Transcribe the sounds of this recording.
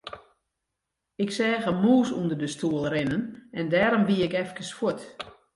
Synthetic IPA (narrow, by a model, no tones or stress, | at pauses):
ɪksɛːɣəmuːsundərdəstʰuəlˠrɪnənɛndɛːɾɔmʋiəɪkɛfkəsfuət